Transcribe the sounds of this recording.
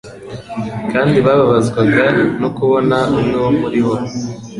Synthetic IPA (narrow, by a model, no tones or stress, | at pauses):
kaːndiβaβaβazɡwaɡanokuβo̞naumnuwmuɾiɦo